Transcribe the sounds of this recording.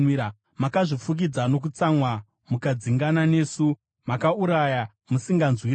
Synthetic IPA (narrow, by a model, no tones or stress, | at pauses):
makaʐifuk̬id͡zano̞k̬ut͡samwa | mukad͡ziŋɡanane̞ːsu | makauɾaja | musiŋɡanzwi